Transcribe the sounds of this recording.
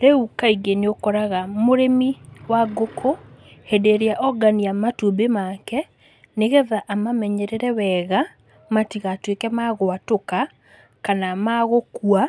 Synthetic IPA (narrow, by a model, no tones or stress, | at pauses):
ɾeukaiɡeneokɔɾaɣamoɾemiwaɡokʰohɛdeɾeaʔɔɡaniamatubemakɛ | neɣɛðaʔamamɛɲɛɾɛɾɛwɛɣa | matiɣatwekɛmaɣoatoka | kanamaɣokua